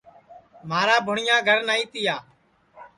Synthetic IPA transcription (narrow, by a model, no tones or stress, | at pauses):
maːɾaːbʱʊɳɪjãːɡʱəɾnaːĩːt̪ɪjaː